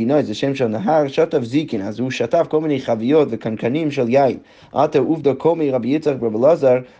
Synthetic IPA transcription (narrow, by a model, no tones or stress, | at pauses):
inɔɪsdɪʃeɪmʃɔnɦaʁʃɔtafzikɪnazuːʃatafkolˠmineɪχavijɔtvɪkʰankanimʃɪlˠjaɪn | ʔa̰təɾuːfdəkʰomiʁabjɪt͡saχbablˠɔzaɾ